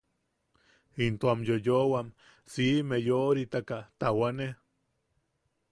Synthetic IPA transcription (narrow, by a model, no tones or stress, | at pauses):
int̪oamjojowam | simejoɾit̪akat̪awane